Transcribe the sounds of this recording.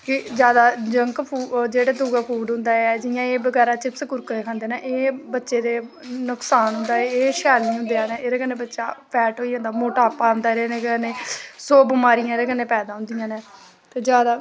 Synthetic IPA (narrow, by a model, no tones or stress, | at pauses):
kɪd͡ʒjaːd̪aːd͡ʒəŋkpʰuːd͡ʒeːɽaːd̪uːɡaːpʰuːɖɦʊ̃nd̪aːɛd͡ʒɪjãːeːbəɡɛːɾaːt͡ʃɪpskʊɾkəeːkʰãːnd̪eːneːʔeːbətːʃeːd̪eː | nʊksaːnɦʊ̃nd̪aːeeːʃaːliːɦʊ̃nd̪eãːneːeːɾeːkənːẽːbətːʃa̰ːpɛːʈɦoːiːɦõnd̪aːmoːʈaːpaːɦʊ̃nd̪aːeɾeːneːəneːsoːbɪmaːɾijãːeɾeːkənːeːpɛːd̪aːɦʊ̃nd̪ɪjãːneː | t̪eːd͡ʒjaːd̪aː